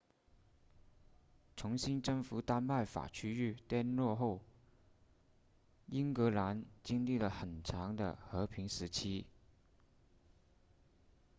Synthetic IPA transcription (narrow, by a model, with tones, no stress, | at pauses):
ʈ͡ʂʰʊ˧˥ŋɕi˥nʈ͡ʂɤ˥˩ŋfu˧˥t̪a˥nma˥˩ɪfa̰˨˩t͡ɕʰy˥y˥˩t̪jɛ˥˧nlwɔ˥˧xo˥˩ʊ | i˥nkɤ˧˥la˧˥nt͡ɕi˥ŋli˥˩lə˩xə˨˩nʈ͡ʂʰɑ˧˥ŋd̪ə̰˧xɤ˧˥pʰi˧˥ŋʂɻ̩˧˥t͡ɕʰi˥